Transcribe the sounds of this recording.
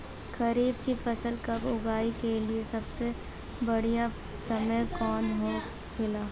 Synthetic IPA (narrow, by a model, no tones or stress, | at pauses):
kɐɾiːbkipɐsəlkɐbʊɡaːikeliesɐbse | bɐɽija | sɐməjkɔːnɦo | kʰɪlaː